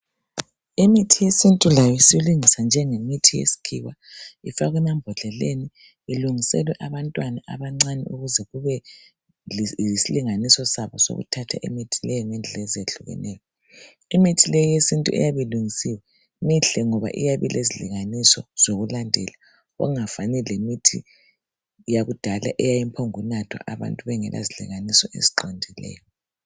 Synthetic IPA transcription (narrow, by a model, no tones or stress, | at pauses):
imitʰijesintʼulajɔjisiluŋisand͡ʒʱɛŋemitʰijḛsi̥kʰiɣwaifaɣwɛnambʱɔɮɛleni | iluŋisɛ̰lwɛʔaβantʼwanaʔaβaŋ͡ǀanɛ̰uɣuzɛɣuβɛ | siliŋanisɔsaβɔso̰ɣṵtʰatʰa̰ʔemitʰilɛjɔŋɛnd͡ɮʱɛzeɮuɣɛ̰nʔɛːjɔ | imitʰilejɔjesintʼuɛ̰jaβɛluŋisiwɛ | miɬɛŋɔβa̰ʔijaβilʔezilḭŋanisɔz̥oɣulandʱɛla | ɣɔ̰ŋafanɛlemitʰi | jaɣud̥ʱala̰ʔɛjajimpʰoŋunatʰwa̰ʔaβa̰ntʼuβɛŋɛlʔa̰zilḭŋanisɔʔḛziǃɔndʱilɛ̰ːjɔ